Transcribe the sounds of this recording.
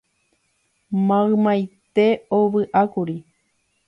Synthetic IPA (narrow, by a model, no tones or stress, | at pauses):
mãɨ̃mãjt̪e̞oβɨʔakuɾi